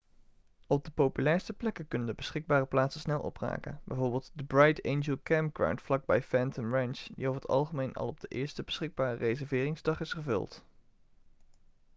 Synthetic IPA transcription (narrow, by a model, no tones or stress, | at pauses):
ɔb̚dəpowpylɛːɹstəplɛkəkɵnəndəbəsχɪɡ̚baːrəplaːtsəsnɛlˠʔɔ̰pra̰ːkə̰nbɛjvoːɹbɪːlˠtdəbrɑjtʰejnd͡ʒəlˠkɛmpɡra̰wntflɑɡ̚bɛjfɛntəmɹɛnt͡ʃdḭofɦətʰɑ̰lˠχəmejnɑ̰lˠɔb̚dəʔɪːɹstəbəsχɪɡ̚baːrərejzɛɹvɪːrɪŋzdɑχɪsχəvɵ̰lˠt